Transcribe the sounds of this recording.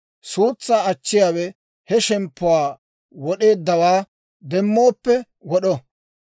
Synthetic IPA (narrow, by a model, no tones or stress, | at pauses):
suːt͡sːaːɐt͡ʃːɪjaːwɛ | hɛʃɛmpːʊwaː | wɔɗe̞ːd̪ːɐwaː | d̪ɛmːo̞ːpːɛ | wɔɗɔ